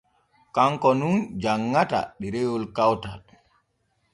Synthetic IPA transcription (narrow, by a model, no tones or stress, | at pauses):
kaŋkɔnund͡ʒaŋːata̰ɗiɾewulkawta̰l